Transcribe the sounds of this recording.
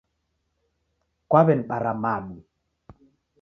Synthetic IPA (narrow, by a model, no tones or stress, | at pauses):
kwaβɛn̩ɓaɾamaɗi